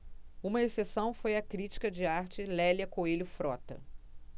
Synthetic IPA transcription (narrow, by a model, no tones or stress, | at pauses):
ũmɐesesɐ̃w̃fojɐkɾit͡ʃi̥kɐd͡ʒɪaɾt͡ʃɪlɛljɐkoelʊfɾɔt̪ɐ̰